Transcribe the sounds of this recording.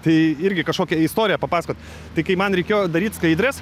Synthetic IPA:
t̪ɐɪɪɾʲɡʲɪkɐʃkoːkʲɛɪst̪oːɾʲɪjɛpɐpɑːsɐkoːt̪ʲ | t̪ɐɪkɐɪmɐnɾʲɛɪkʲeːjod̪ɐɾʲiːt̪ʲskɐɪd̪ʲɾʲɛs

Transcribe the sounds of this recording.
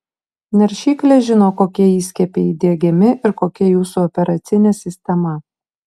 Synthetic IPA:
nʲɛɾʲʃʲiːkʲlʲeʒʲɪnoːkoːkʲiɛiːsʲkʲɛpʲeid̪ʲiɛɡʲɪmʲɪʔɪɾkoːkʲɛjuːsuɔpʲɛɾɐt̪sʲɪnʲesʲɪsʲt̪ʲɛmɐ

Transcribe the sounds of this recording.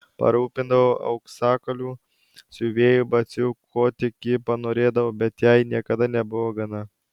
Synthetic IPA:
pɐ̰ɾuːpʲɪnd̪ɐʋoːʔɐ̰ʊksɑːkɐlʲuː | sʲʊʋʲeːjʊbɐsʲʊkʰoːt̪ʲɪkʲɪpɐnoːɾʲeːd̪ɐʋoːbʲɛt̪jɛɪnʲiɛkɐd̪ɐnʲɛbʊʋoːɡɐnɐ

